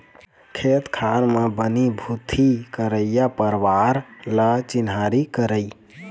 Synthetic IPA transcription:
kʰet̪kʰaɾmebənibʱut̪ʰikəɾəjjapəɾʋaɾlət͡ʃinɦaɾikəɾəj

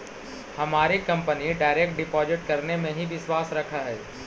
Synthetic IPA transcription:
hɐmaːɾikɐ̃mpəniɖaːɪɾeːk̚ʈ̚ɖɪpɔːzɪʈ̚kɐɾnemẽɦiʋɪʃwaːsɾɐkʰaɦɛː

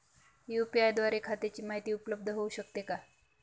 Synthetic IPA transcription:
jupiajd̪ʋaɾekʰat̪et͡ɕiːmaɦit̪iːupləb̚d̪ʱəɦouɕək̚t̪eka

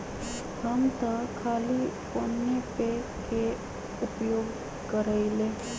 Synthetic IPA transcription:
ɦəmt̪əkʰaːlipoːnːepeke | ʊpjoːɡ | kəɾəileː

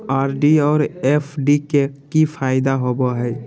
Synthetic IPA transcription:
aɾɖiɔːɾepʰɖikekipʰajd̪aɦobɔɦɛj

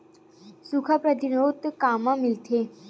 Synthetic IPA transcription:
sukʰapɾət̪inot̪kamamilt̪ʰe

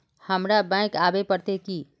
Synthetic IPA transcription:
həmɾabɛ̃ːkaːbepəɾt̪eki

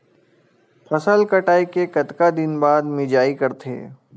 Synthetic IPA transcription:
pʰɐsəlkɐʈaːikekɐt̪kad̪ɪnbaːd̪mɪd͡ʒaːikɐɾt̪ʰḛː

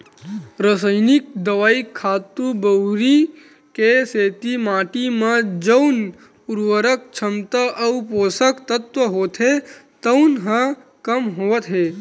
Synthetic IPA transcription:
ɾəsəɪnɪk̚d̪əʋaːikʰːaːt̪ubəwɾi | keseːt̪imaːʈimãd͡ʒəʊn | ʊɾwəɾək̚t͡ʃʰəmt̪aʔɐupoːsəkt̪ət̪ʋəɦoːt̪ɦe | t̪əʊnɦã | kəmɦoːʋət̪ɦeː

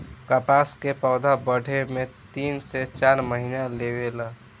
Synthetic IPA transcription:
kapaskepəːd̪ʱabəɽʱemet̪inset͡ʃaɾməɦinalewela

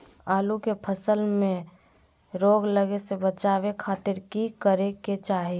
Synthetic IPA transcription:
aːlukepʰəsəlmẽ | ɾoːɡləɡesebət͡ʃaːwekʰaːt̪ɪɾkikəɾeket͡ʃaːɦi

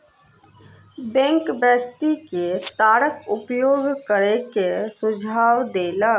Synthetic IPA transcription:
bɛ̃ːŋkbjək̚t̪iket̪aːɽəkʊpjoːɡkəɾekesʊd͡ʒʱaːʋd̪eːlaː

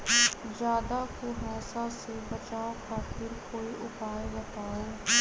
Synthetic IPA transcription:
d͡ʒjaːd̪aːkoɦɛːsasebət͡ʃaːokʰaːt̪ɪɾkoːiʔʊpaːebət̪aːeː

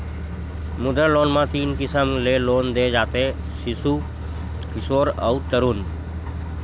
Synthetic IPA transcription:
mʊd̪əloːnmãt̪iːnkɪsəmleːloːnd̪eːd͡ʒaːt̪e | sɪsu | kɪsoːɾə̰ut̪əɾuːn

